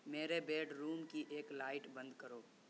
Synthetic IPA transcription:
meːɾebeːɖɾuːmkiʔeːklaːɪʈbɐ̃nd̪kəɾoː

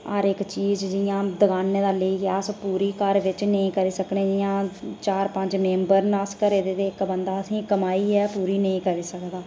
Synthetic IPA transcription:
əɾɪkt͡ʃiːzd͡ʒɪjãːd̪əɡaːneːd̪aːləiːaːspuːɾiːkəɾʋɪt͡ʃnəĩːkəɾiːsəknẽːd͡ʒɪjãːt͡ʃaːɾpəɲd͡ʒmẽːmbəɾnaːskəɾeːd̪eːd̪eːɪkbənd̪aːəsĩːkəmaːiːɛːpuːɾiːnəĩːkəɾiːsəkd̪aː

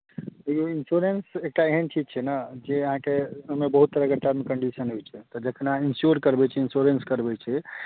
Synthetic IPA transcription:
əoinsuɾensek̚ʈaeɦənʈʰikt͡ʃʰɛnad͡ʒeəɦãkeəmebəɦut̪ːəɾəkəʈ̪aɾmekəɳɖisənɦojt͡ʃʰɛt̪ɔd͡ʒəkʰənainsjuɾkəɾbɛt͡ʃʰɛinsuɾenskəɾbɛt͡ʃʰɛ

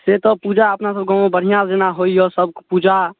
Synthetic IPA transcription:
set̪ɔpud͡ʒaəpnasəb̚ɡɔ̃obəɽ̤ijad͡ʒenaɦoiɔsəbkpud͡ʒa

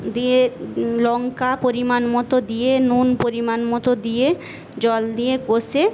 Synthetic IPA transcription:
d̪ielɔŋkapoɾimanmɔt̪od̪ijenunpoɾimanmɔt̪od̪ije | d͡ʑɔld̪ijeɡose

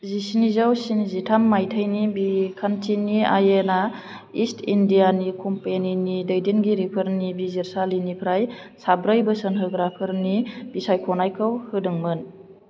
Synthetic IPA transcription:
zisinizawsinzitʰamːajtʰajnibikʰantinia̰jena | istʰindijanikʰompeninidɯjdenɡiɾipʰəɾnibiziɾsalinipʰɾajsabɾajbɯsənɦɯɡɾapʰɯɾnib̥isajkʰonajkʰɯwhɯdɯŋmɯn

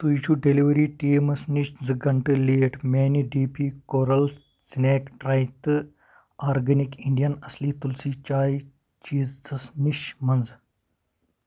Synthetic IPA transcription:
t̪ujit͡ʃʰuɖeliʋɐɾiːʈiːmɐsniʃd͡zɨɡɐɳʈɨleːʈmeːniɖiːpʰiːkoːɾɐl | sneːkʈɾaːjt̪ɨ | aːɾɡɐnikiɳɖijɐnɐsliːt̪ulsiːt͡ʃaːi | t͡ʃiːzt͡sɐsniʃmɐnd͡z

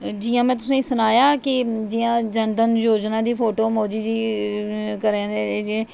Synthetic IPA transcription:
d͡ʒɪːãːmɛ̃ːt̪̬ʊsẽsʊnaːjaːkɪd͡ʒɪjãːd͡ʒənd̪ənjoːd͡ʒnãːd̪iːpʰoːʈoːmoːd͡ʒiːd͡ʒiː | kəɾẽːd̪eːd͡ʒẽː

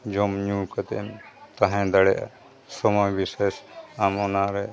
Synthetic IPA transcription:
d͡ʒɔmɲukat̪ɛɛmt̪aɦɛ̃d̪aɽɛjʔa̰ | sɔmɔjbisesamɔnaɾɛ

